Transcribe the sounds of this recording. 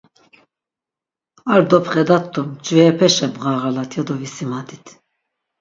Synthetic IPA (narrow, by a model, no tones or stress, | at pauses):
aɾd̪ɔpχɛd̪at̪ʰːumt͡ʃʼvɛːpʰɛʃɛbʁaːʁalat̪ʰjɔd̪ɔvisimad̪it̪ʰ